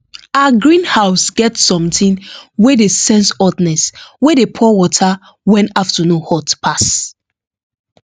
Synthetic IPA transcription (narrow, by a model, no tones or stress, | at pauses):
aɡɹĩnhaʊsɡɛtsɔ̃mtĩnwedesɛ̃nsɔtnɛswedepʰɔwɔtʰa | wɛ̃ntaftanũnhɔtpʰas